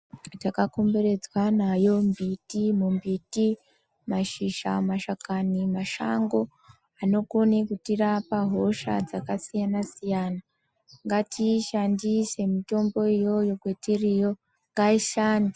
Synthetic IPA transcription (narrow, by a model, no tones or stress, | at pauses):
takako̞mbeɾe̞d͡zwanajo̞mbitimumbiti | maʃiʃa̰maʃakanimaʃa̰ŋɡo̞ | ano̞konekutirapaɦo̞ʃa̰d͡zakasijanasijana | ŋɡatʰiʃandise̞mito̞mbo̞ijo̞jo̞kwetirijo̞ | ŋɡaiʃaːni